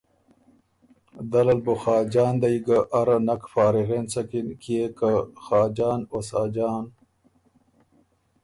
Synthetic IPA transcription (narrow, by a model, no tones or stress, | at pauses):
d̪ɐlɐlboxaːd͡ʑaːnd̪ɐjiɡaʔːɾɐnɐkfaːɾiɣeːnsɐkinkiekaxaːd͡ʑaːnosaːd͡ʑaːn